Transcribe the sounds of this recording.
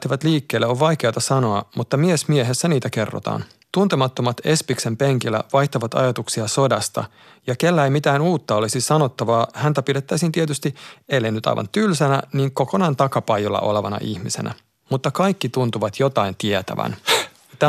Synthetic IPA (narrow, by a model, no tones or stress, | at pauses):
t̪ːiʋæt̪liːkːeːlːeoʋʋɑjkeɑt̪ɑsɑno̞ɑmut̪ːɑmiesmieɦesːæniːt̪æke̞rːo̰t̪ɑ̰ːn | t̪unt̪emɑt̪ːomɑt̪e̞spikse̞mpeŋkilːæ̰ʋɑjht̪oʋɑt̪ɑ̰jɑt̪uksiɑso̞dɑst̪ɑ̰ | jɑke̞lːæejmit̪æːnuːt̪ːɑo̞lisisɑno̞t̪ːɑʋɑːhænt̪æpidet̪ːæisint̪iet̪yst̪ielːenyt̪ɑ̰jʋɑ̰nt̪ylsænæniːŋko̞ko̞nɑːnt̪ɑkɑpɑjolːɑ̰ʔo̞̰leʋɑnɑ̰ʔiçmise̞̰nʔæ̰ | mut̪ːɑkɑjkːit̪unt̪uʋɑt̪jo̞t̪ɑint̪iet̪æ̰ʋæ̰n | t̪æ